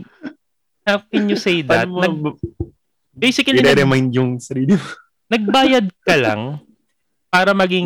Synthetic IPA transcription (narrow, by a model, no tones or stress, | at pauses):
hakɪnjʊsejd̪ɐt̪̚ɐɡ̚ | bejsɪkɐlɪɾɛɾɛmajnd̪jʊŋsɐɾiːlɪmo | nɐɡ̚baːjɐd̪̚kɐla̰ŋ | paːɾɐmɐɡiŋ